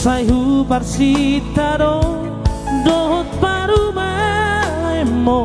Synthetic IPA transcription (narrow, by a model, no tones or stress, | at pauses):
sajɦuparsit̪aɾɔ | dɔɦɔt̪̚paɾuma | emːɔ